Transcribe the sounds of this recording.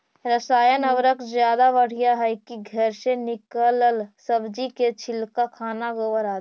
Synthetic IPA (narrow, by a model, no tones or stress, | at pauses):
ɾəsaːjənəbɾəkd͡ʒjaːd̪abəɽ̤ijaɦɛkiɡʱəɾsenɪkələlsəbd͡ʒiket͡ʃʰɪlkakʰaːnaɡowəɾad̪